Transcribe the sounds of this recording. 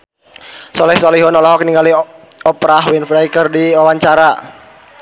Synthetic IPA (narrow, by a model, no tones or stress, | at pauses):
sɔlɛhsɔliɦɔnɔlɔɦɔkniŋɡali | ɔpɾaɦwinfɾajkərdiwawaɲt͡ʃaɾa